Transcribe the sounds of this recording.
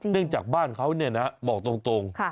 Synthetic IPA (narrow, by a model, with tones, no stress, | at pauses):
nɯ˥˩əŋt͡ɕaː˨˩k̚baː˥˩nkʰa˦˥wni˥˩ɐna˦˥bɔː˨˩k̚t̪o˧ŋt̪o˧ŋkʰa˥˩